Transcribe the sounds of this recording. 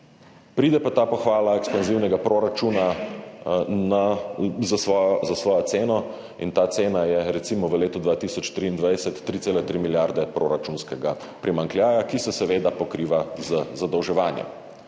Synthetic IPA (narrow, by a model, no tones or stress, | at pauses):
pɾiːd̪ɛpat̪aːpɔxʋaːlaɛkspanziːwnɛɡapɾoːɾat͡ʃuːna | nazasʋɔjɔzasʋɔːjɔt̪seːnɔ | int̪aːt̪seːnajɛɾɛt̪siːmɔʋəleːt̪ud̪ʋaːt̪isɔt͡ʃt̪ɾiːnd̪ʋajsɛt̪ːɾit̪seːlɛt̪ɾiːmiljaɾd̪ɛpɾo̰ːɾat͡ʃunskɛɡa | pɾimaŋkljaːjakisɛsɛʋeːd̪apɔkɾiːʋazəzad̪ɔwʒɛʋaːnjɛ̰m